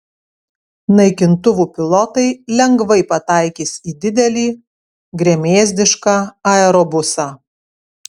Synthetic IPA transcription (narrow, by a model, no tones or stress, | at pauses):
nɐɪkʲɪnt̪ʊʋuːpʲɪlˠɔt̪ɐɪlʲɛŋɡʋɐɪpɐt̪ɑˑɪkʲiːsiːd̪ʲɪd̪ʲɛlʲiː | ɡɾʲeɛmʲeːzʲd̪ʲɪʃkɑːɐɛɾɔbʊsɑː